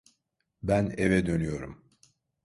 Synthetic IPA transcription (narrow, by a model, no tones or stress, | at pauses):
bænevɛd̪ø̞nyjo̞ɾṵm